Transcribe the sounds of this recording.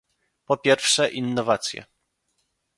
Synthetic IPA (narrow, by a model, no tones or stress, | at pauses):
pɔpʲjɛɾfʂɛʔinːɔvat̪sʲjɛ̰